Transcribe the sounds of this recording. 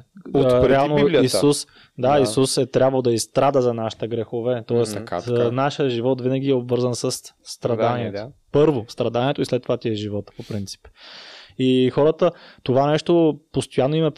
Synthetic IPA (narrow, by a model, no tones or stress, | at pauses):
ɾɛalˠnoisus | d̪aisusɛt̪ɾʲabvəlˠd̪ɐist̪ɾad̪əzɐnaʃi̥t̪əɡɾɛxovɛt̪ɔɛsknaʃjəʒivɔt̪vinəɡ̟iɛobvɤɾzənsəsːt̪ɾɐd̪aniɛt̪opɤɾvost̪ɾɐd̪aniɛt̪oislɛt̪ːovat̪ʲiɛʒivɔt̪popɾint̪si̥p | ixɔɾət̪ət̪ovanɛʃt̪opost̪ojanːoimɛ